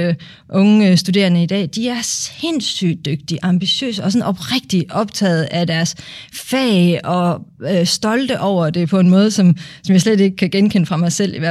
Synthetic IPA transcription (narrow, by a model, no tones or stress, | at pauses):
ʔɔ̽ŋəsd̥ude̝̰ɐnəid̥ɛ̰ːd̥iæɐse̝nsy̰ːd̥øɡ̥̚d̥iʔɑ̈mb̥iɕø̰ːsəɒ̽sɔ̽nʔɒ̽b̥ʁaɡ̥̚d̥iʔɒ̽b̥t͡sʰɛ̰ːð̩ˠæd̥æɐsfɛːɒ̽øsd̥ɒ̽ld̥əʔɒʊ̰ɐd̥e̝pʰɒ̽e̝nmɔ̽ːð̞ˠsɒ̽msɒ̽mjɑ̈ɪslede̝ɡ̥əkʰæɡ̥enkʰen̰əfʁɑ̈mɑ̈ɪsel̰iʋæɐ̰